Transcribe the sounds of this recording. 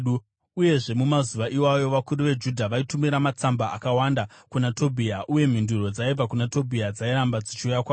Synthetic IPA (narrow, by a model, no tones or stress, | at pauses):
u | uje̞ʐe̞mumazuʋaʔiwajo̞ʋakuɾuʋe̞d͡ʒudʱaʋaitumiɾamat͡samba̰ːkawandakunato̞bʱiaʔuje̞m̤induro̞d͡zaib͡vakunato̞bʱiad͡zaiɾambad͡zit͡ʃiujakwaː